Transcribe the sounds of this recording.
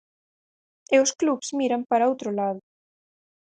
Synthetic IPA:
ɛusklupsmiːɾanpaɾaowt̪ɾʊlaːð

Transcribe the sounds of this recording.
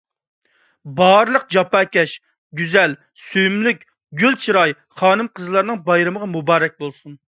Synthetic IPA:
bɑɾɨlˠəq̚d͡ʒɑpɑːkʲɛʃ | ɡʲyzɛl | syjymlykʲ | ɡʲylt͡ʃʰɨɾɑj | χɑːnɨmqʰəzɨlˠɑɾnɨŋbɑjɾɨməʁɑmubɑːɾɛk̚ʲbolˠsun

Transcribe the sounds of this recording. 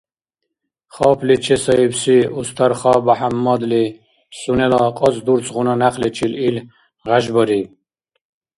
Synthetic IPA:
χɔpʰlit͡ʃʰɛsɔipsiust̪ʰaɾχabaħamːɔd̪li | sunɛlɔqʼɔzd̪uɾt͡sʼʁunanaqlɛt͡ʃʰilil | ʁaʒbɔɾi

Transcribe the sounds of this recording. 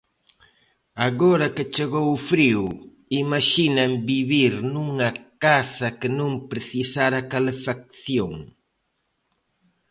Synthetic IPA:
aɣoɾɐkɪt͡ʃeɣowʊfɾiw | imaʃinambiβiɾnuŋɐkasɐkɪnõŋpɾeθisaɾakalefak̚θjoŋ

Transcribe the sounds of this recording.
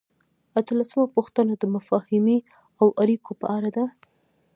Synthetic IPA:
at̪əlasəmapuxt̪ənad̪əmafɑhɪmi | awʔaɾikopəʔaɾad̪a

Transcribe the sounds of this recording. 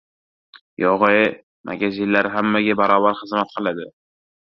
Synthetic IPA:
jɒʁɨj | mʔa̰ɡʲazɪllːaɾɦamːaɡʲabaɾɒːbaɾχɨzmat̪̚qʰɨlˠad̪ɪ

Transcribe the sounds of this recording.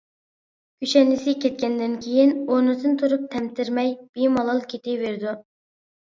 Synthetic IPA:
kʲyʃɛnːɪsɪkʲʰɛt̪̚kʲɛnd̪ɪnkʲʰejinonɨsɨnt̪ʰuɾup̚t̪ʰɛmt̪ʰɪɾmɛjb̥imɑlˠɑlˠkʲʰet̪ɪveɾd̪u

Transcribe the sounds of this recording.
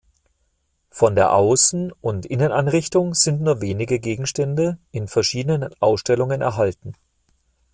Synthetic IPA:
fɔndeːɐʔaʊsn̩ʊntʔɪnənanʁɪçtʊŋz̥ɪntnuːɐveːnɪɡəɡeːɡŋ̩ʃtɛndəɪnfɛɐʃiːdənənʔaʊsʃtɛlʊŋənɛ̰ɐɦaltn̩

